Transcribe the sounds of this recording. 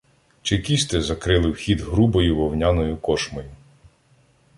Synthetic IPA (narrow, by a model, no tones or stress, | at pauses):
t͡ʃɪkʲist̪ɪzɐkɾɪlˠɪwxʲid̪ɦɾubɔjʊʋɔwnʲanɔjʊkɔʃmɔjʊ